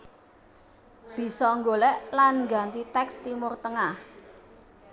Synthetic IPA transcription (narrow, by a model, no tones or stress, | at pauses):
b̥i̤sɔŋɡolɛʔlanŋɡa̤nt̪it̪ɛkst̪imʊrt̪əŋah